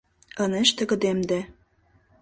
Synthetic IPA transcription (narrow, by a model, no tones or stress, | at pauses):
ɤ̆nĕʃt̪ĕkɤ̆d̪emd̪ĕ